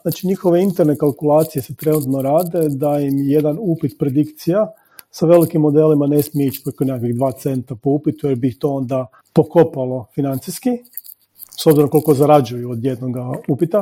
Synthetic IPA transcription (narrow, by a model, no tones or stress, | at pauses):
naːt͡ʃiɲixoʋe̞int̪eɾnekalˠkulˠaːt̪sije̞set̪ɾe̞nut̪noɾaːd̪e̞d̪ajimje̞d̪anupit̪pɾe̞d̪ikt̪sija | saʋe̞likimːo̞d̪e̞ːlimane̞smijeit͡ʃpɾokonakiɡd̪ʋaːt̪se̞nt̪apoupit̪ujeɾbiːxt̪o̞ːond̪a | po̞ko̞palo̞finant̪siski | sobziɾoŋkolˠikozaɾad͡ʒujuod̪je̞d̪noɡaupit̪a